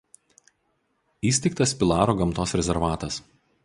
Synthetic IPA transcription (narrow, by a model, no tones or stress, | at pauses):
iːsʲt̪ʲɛɪkt̪ɐspʲɪlˠɑːɾoːɡɐmt̪oːsɾʲɛzʲɛɾʋɑːt̪ɐs